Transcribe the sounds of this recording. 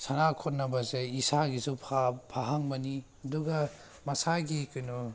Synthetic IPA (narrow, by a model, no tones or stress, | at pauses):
sanakʰɔt̚nɐbɐzeisaɡizupʰapʰaɦaŋmɐni | ɐduɡɐ | mɐsaɡikɯnu